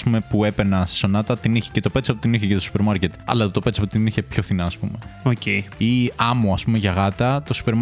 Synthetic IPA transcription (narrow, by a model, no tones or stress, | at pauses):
spume̞pue̞penɐst̪i̥so̞nɐt̪ɐt̪iniçe̥cet̪o̞pe̞t̪sɐpot̪iniçecet̪osu̥pe̞ɾmɐɾce̞t̪ɐ̰lɐt̪o̞pesɐpot̪iniçe̞pço̞θinɐːspume̞oceiɐmoɐspume̞ʝɐɣɐt̪ɐt̪o̞su̥peɾm